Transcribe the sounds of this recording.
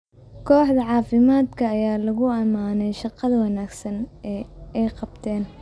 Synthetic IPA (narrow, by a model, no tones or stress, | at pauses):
kʰɔːħd̪ɐʕɑːfɪmaːd̪kʰɐːjaːlɐɣʊɐmaːnɛjʃɑqɑðɐwɑnaːɡsɐnɛːɛjqɑbt̪ʰɛːn